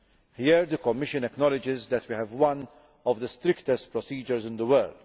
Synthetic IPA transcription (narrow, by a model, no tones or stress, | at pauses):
hiɾd̪əkɔmːɪʃə̃nɛknɔlɪd͡ʒɪzd̪ɛtwihɛvwʌ̃n | ɔvd̪əst̪ɾɪkt̪ɛst̚pɾɔsiːd͡ʒəɾzɪ̃nd̪əwəld̪